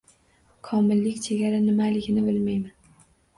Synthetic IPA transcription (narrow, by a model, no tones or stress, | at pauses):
kʰɒmɪlːɪkʲt͡ʃʰeɡʲaɾanɪmalɪɡʲɪnɪbɪlmajman